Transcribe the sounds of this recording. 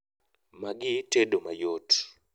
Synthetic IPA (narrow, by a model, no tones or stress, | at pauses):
maɡitedomajot